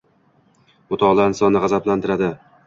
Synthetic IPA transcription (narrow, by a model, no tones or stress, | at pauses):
mʊt̪ʰɒlˠaɪnsɒnːɪʁɑzaplant̪ʰɪɾad̪ɪ